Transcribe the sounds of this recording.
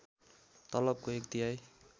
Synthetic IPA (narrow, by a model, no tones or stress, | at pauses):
t̪ʌlʌb̚koekt̪iɦaj